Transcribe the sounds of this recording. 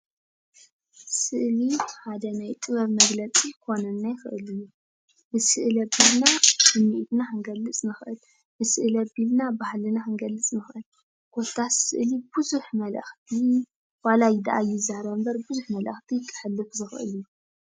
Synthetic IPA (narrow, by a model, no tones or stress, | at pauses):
sɨʔliħad̪ɐnajt̪ʼɨβɐβmɐɡlɐt͡sʼikʰo̞nɐnːajɪxɨʔɨ̰lɨjːu | bɨsɨʔɨlɐbilnasɨmːiʔt̪naʔɨŋɡɐlːɨt͡sʼnɨxʔɨl | bɨsɨʔɨlɐbilnabahlɨnaɨŋɡɐlːɨt͡sʼnɨxʔɨl | kʰot̪ʰːasɨ̰ʔlibɨzuħmɐlʔɐ̰xt̪ʰi | walajɪd̪aʔajɪzːahɾɐmbɐɾbɨzuħmɐlʔɐ̰xt̪ʰijkʼʰːɨ̥ħlːɨfzɨxʔɨ̰lɨjːu